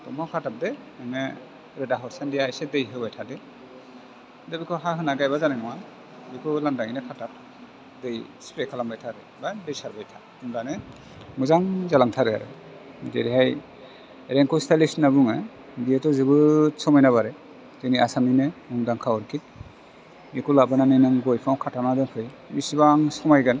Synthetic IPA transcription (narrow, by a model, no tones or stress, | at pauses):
tɔmawkʰatap̚dɛ | ɯme | ɾɯdaɦɔɾsandijajsedɯjɦɯbajtʰade | dɯbikʰɔɦaɦɯnaɡajbazaneŋɔwa | bikʰɔlandaŋinekʰatap̚ | dɯjspɾekʰalambajtʰaɾɯ | badɯjsaɾbajtʰa | mdane | mɯzaŋzalaŋtʰaɾɯa̰ɾɯ̰ | dḛɾiɦaj | ɾeŋkʰɔstʰalisnabuŋɯ | dietɔzɯbɯsɔmajnaβaɾɯ | d̥ɯniasaminɯmuŋdaŋkʰawɔɾkʰit̚ | mikʰulabananɯjnɯŋɡɔjpʰawkʰatamnadɯŋkʰɯj | misibaŋsɔmajɡɯn